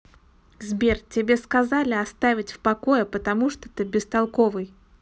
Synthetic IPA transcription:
zbʲertʲɪbʲe̞skɐzalʲɪɐst̪avʲɪtʲfpɐko̞jəpət̪ɐmuʂt̪ot̪ɨbʲɪst̪ɐlˠko̞vɨj

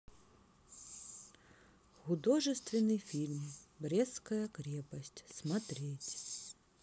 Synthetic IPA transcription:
xʊd̪ɔʐɨst̪vʲɪnɨjfʲilʲmʲbɾʲɛskɐjɐkɾʲɛpɐsʲtʲsmat̪ɾʲɛt͡sʲ

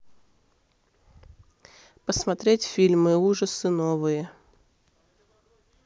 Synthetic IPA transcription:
pəsmɐt̪ɾʲetʲfʲilʲmɨuʐəsɨnovɨjə

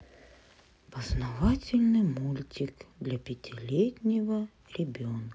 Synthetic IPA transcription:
pɐznɐvatʲɪlʲnɨmulʲtʲikd̪lʲɐpʲɪtʲʰɪlʲetʲnʲɪvɐ | ɾʲɪbʲonk

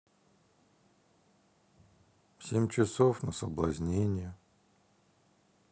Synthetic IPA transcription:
fsʲemʲt͡ɕɪsofnəsəblˠɐzʲnʲenʲɪjə

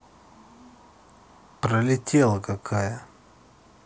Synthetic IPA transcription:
pɾəlʲɪtʲelˠəkakʰajə

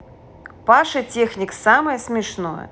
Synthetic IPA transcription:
paʂɨtʲexnʲiksamɐjəsmʲɪʂnojə̰

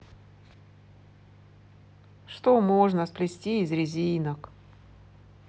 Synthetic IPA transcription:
ʂt̪omoʐnəsplʲɪsʲtʲiːzɾʲɪzʲinək

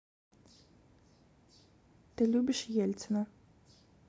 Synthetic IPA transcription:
t̪ɨlʲubʲɪʃjɛlʲt͡sɛnɐ

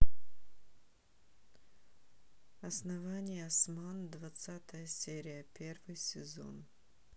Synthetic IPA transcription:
ɐsnɐvanʲɪjəɐsmand̪vɐt̪sat̪əjəsʲeɾʲɪjəpʲe̞rvɨjsʲɪzo̰n

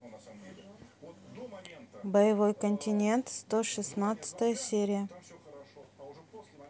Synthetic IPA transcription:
bəjɪvo̞jkənʲtʲɪnʲe̞nt̪st̪oʂɨsnat̪sə̥t̪əjəsʲeɾʲɪjə

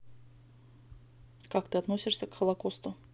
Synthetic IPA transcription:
kak̚t̪ɨɐt̪nosʲɪʂsʲəkxəlˠɐkost̪ʊ

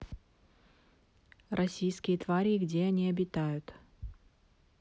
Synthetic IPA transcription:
rʔɐsʲijskʲɪjət̪vaɾʲiɡdʲeɐnʲiɐbʲɪt̪ajʊt̪

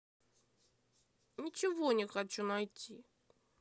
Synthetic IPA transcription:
nʲɪt͡ɕɪvonʲɪxɐt͡ɕunɐjtʲi

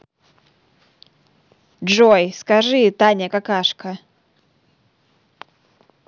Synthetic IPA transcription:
ʐojskɐʐɨt̪anʲəkakaʂkə

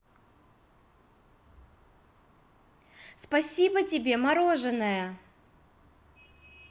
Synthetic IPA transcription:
spɐsʲibətʲɪbʲe̞mɐɾo̞ʐɨnəjə

